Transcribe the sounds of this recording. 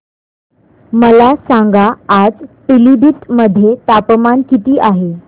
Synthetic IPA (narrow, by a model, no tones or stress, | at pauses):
məlasãŋɡaːd͡zpilibit̪məd̪ʱːjet̪apəmankit̪iːʔaɦe